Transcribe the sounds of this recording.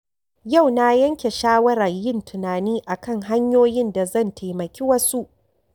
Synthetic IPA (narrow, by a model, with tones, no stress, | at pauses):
ja˦˨wna˦jɐ˦ŋkʲe˨ʃaː˦wɐ˦ɾɐ˨rjɪ˦˨ntʰʊ˨naː˨niː˦ʔa˨kɐ˦ŋɦa˦ɲjoː˦jɪ˦nda˨zɐ˦˨ntʰa˨jmɐ˨kʲi˦wɐ˦su˦ʔ